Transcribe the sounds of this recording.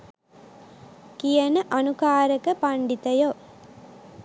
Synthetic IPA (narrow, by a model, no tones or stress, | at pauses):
kijɐnəʔɐnukaːɾəkəpɐɳɖit̪ɐjo